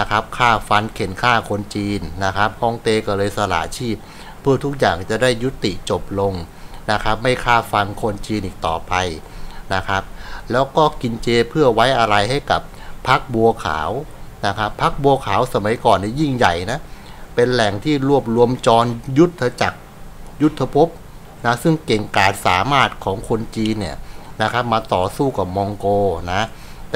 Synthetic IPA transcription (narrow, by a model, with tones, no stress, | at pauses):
na˦˥kʰa˦˥p̚kʰaː˥˩fa˧nkʰe˩˦nkʰaː˥˩kʰo˧nt͡ɕiː˧nːa˦˥kʰa˦˥p̚hɔː˧˥ŋt̪eː˧kɔː˥˩lɤː˧jsa˧la̰ː˩˦t͡ɕʰiː˥˩pʰː | ɯ˥˩ɐt̪ʰu˦˥k̚jaː˨˩ŋt͡ɕa˨˩daː˥˩jːu˦˥t̪ːi˨˩ʔt͡ɕo˨˩p̚lo˧ŋ | na˦˥kʰɾa˦˥p̚ma˥˩jkʰaː˥˩fa˧nkʰo˧nt͡ɕiː˧nʔiː˨˩k̚t̪ɔː˨˩pa˧j | na˦˥kʰa˦˥p̚lɛː˦˥wkɔː˥˩ki˧nt͡ɕeː˧pʰɯ˥˩əwa˦˥jʔa˧ɾa˧jɦa˥˩jka˨˩pʰː | a˦˥k̚bu˧ɐkʰa̰ː˩˦wna˦˥kʰa˦˥pʰːa˦˥k̚bu˧ɐkʰaː˩˦wsa˧ma˨˩˦jkɔː˨˩nːi˧˥˩ji˥˩ŋja˨˩jna˦˥ | pe˧nlɛ˨˩ŋt̪ʰiː˥˩ɾu˥˩əp̬̚ɾu˧əmt͡ɕɔː˧nju˦˥t̪ʰːa˧t͡ɕa˨˩k̚ | ju˦˥t̪ʰːa˧pʰo˦˥p̚ | na˦˥sɯ˥˩ŋke˨˩ŋkaː˨˩nsaː˩˦maː˥˩t̪̚kʰɔː˩˦ŋkʰo˧nt͡ɕiː˧nːi˥˩əna˦˥kʰa˦˥p̚maː˧t̪ɔː˨˩suː˥˩ka˨˩p̚mɔː˧ŋkoː˧na˦˥ | t̪ː